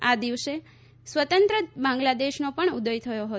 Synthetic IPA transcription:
ad̪iʋse | sʋət̪ənt̪ɾəbãŋɡlad̪eʃnopəɳud̪əjt̪ʰəjoɦət̪

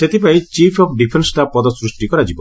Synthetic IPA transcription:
set̪ep̬ait͡ʃipʰɔpʰɖipʰensʈapɔd̪ɔsɾusʈikɔɾad͡ʒibɔ

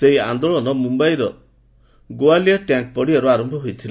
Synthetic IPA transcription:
seɦiand̪oɭɔnɔmumbajɾɔ | ɡowaliɔʈjaŋk̚pɔɽiaɾuaɾɔmbʱɔɦujt̪ʰil

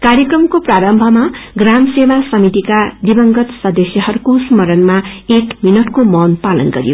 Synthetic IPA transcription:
kaɾjʌkrʌmkopraɾʌmbʱʌmaɡramsebasʌmit̪ikad̪ibʌŋɡʌt̪sʌd̪ʌsjʌɦʌɾukosmʌɾʌnmaekminʌʈkomʌnpalʌnɡʌ̰ɾjo̰

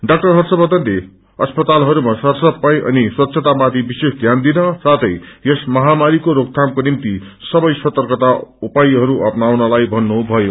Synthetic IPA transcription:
ɖak̚ʈʌrɦʌrsʌbʌt̪ʌnle | ʌspʌt̪alɦʌɾumasʌrsʌppajʔʌ̰niswʌt̪ːsʰʌt̪amat̪ibisesd̪ʱjand̪inʌsat̪ʰʌjjesmʌɦamaɾikoɾok̚t̪ʰamkonimt̪isʌbʌjsʌt̪ʌrkʌt̪aupajɦʌɾuʔʌpnawnʌlajbʱʌnːubʱʌjo

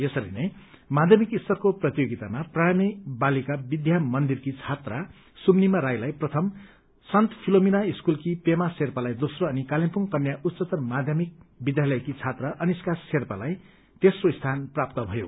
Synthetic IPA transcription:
jesʌɾḭnʌjmad̪ʱjʌmikist̪ʌrkoprʌt̪ijoɡit̪amapraɽ̃amibalikabid̪ʱjamʌnd̪irkit͡sʰat̪ra | sumnimaɾajlajprʌt̪ʰʌm | sʌnt̪pʰilominaiskulkipemaserpalajd̪osroʌnikalimpuŋkʌnːjaʔut̪ːt͡sʌt̪ʌrmad̪ʱjʌmik̚bid̪ʱjalʌjkit͡sʰat̪raʔʌniskasːerpalaj | t̪esroist̪ʰanprap̚t̪ʌbʱʌjo̰

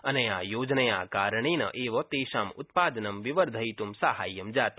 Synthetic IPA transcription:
ɐneaːjoːd͡ʒnɐja̰ːkaːɾəɳiːnɐ̰ʔeːʋɐt̪eːʃaːmʊt̪paːd̪ɐnɐmʋiʋəɾd̪ʱɐit̪umsaɦaːjːɐmd͡ʒaːt̪

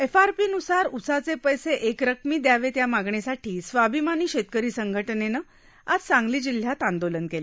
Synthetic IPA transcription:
efaɾpiːnusaɾusat͡sepəjseʔekɾəkmiːd̪jaʋet̪jamaɡɳesaʈʰiːsʋabʱimaniːɕet̪̚kəɾiːsəŋɡʱəʈnenə | ad͡zt͡sãŋɡliːd͡ʑil̤jat̪ãnd̪olənkele

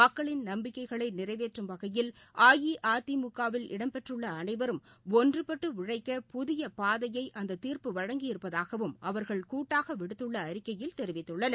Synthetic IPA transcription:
ɐkːɐɭɪnnɐmbɪkːɐɪɣɐɭɐɪnɪrɐɪʋeːʈrɯmʋɐɣɐjɪl | ʔaːjiʔʔaːt̪imʊkːaːʋɪlɪ̰ɽɐmpɛʈrɯɭːɐːnɐɪʋɐɾɯm | ɔndrɯpɐʈːɯʋɪɻɐɪkːɐpʊðɪjɐpaːðɐjɐɪʔɐnd̪ɐt̪ːiːrpɯʋɐɻɐŋɡɪjɪɾɯpːɐðaːɣɐʋɯmʔɐʋɐɾɣɐɭkuːʈːaːɣɐʋɪɽɯt̪ːɯɭːɐːɾɪkːɐjɪlt̪ɛɾɪʋɪt̪ːɯɭːɐnɐ

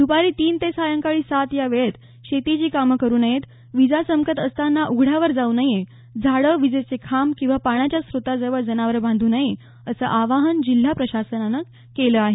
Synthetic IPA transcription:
d̪ʱupaɾiːt̪iːnt̪esajəŋkaɭiːsat̪jaʋeɭet̪ | ɕet̪it͡ɕiːkaməkəɾuːnajet̪ | ʋid͡zasəmkət̪əst̪anːaʔuɡʱɽ̤jaʋəɾd͡zaunaje | d͡zʱaɽəʋid͡zet͡sekʰamkĩw̃ʋapaɽ̃at͡ɕjasɾot̪ad͡zəʋəɭd͡zənaʋəɾbʱãnd̪ʱuːnaje | əsəːʔaʋaɦənd͡ʑil̤ːapɾəɕasənanək | keləːaɦe

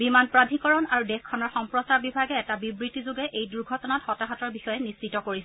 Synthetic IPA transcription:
bimanpɹadʱikɔɹɔnaɹudɛxkʰːɔnɔɹxɔmpɹɔstabibʱaɡɛːtabibɹitizʊɡɛʔʔejduɹɡʱɔtɔnatxɔtaɦatɔɹbixɔjɛnist͡ʃitɔkoɹisɛ

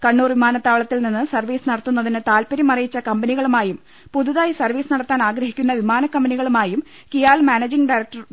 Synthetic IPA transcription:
kɐɳːuːrʋimaːnɐt̪ːaːʋɭɐt̪ːilninːɨsɐrʋiːsɨnɐɽɐt̪ːunːɐðinɨt̪aːlpɐɾjɐmɐrijit͡ɕːɐkɐmbɐniɣɐɭumaːjum | puðuðaːjsɐrʋiːsɨnɐɽɐt̪ːaːnaːɡɾɐɦikʲːun̪ːɐʋimaːnɐkːɐmbɐniɣɐɭumaːjum | kijaːlmaːned͡ʑiŋɖɐjɾɐk̚ʈɐr

